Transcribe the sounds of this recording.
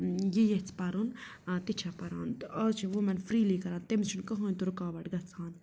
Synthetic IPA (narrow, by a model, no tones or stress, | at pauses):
jejet͡sʰpɐɾun | t̪it͡ʃʰapɐɾaːnt̪ɐt͡ʃʰiʋomɐnfɾiːlikɐɾaːnt̪emt͡ʃʰunkɐɦonʲt̪uɾukaːbɐʈɡɐt͡sʰaːn